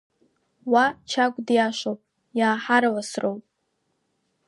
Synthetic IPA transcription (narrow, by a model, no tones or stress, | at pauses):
wat͡ʃʰakʷʼdjaʃʷowpʼ | jaːħaɾawasrowpʼ